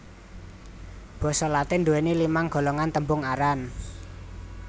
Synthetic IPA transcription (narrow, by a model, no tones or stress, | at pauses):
b̥ɔ̤sɔlat̪ɪnduwenilimaŋɡ̥ɔ̤lɔŋant̪əmbʊŋaɾan